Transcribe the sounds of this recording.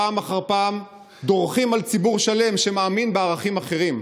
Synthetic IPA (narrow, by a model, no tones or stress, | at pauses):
aːmaχaʁpaːm | d̪o̞ʁχimalt͡sibuʁʃale̞mʃemaːminbeaʁaχimaχe̞ʁim